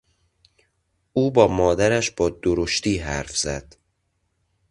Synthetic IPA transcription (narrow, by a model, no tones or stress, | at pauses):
uːbɒːmɒːd̪æɾæʃb̥ɒːd̪oɾoʃt̪iːɦæɾfz̥æd̪̥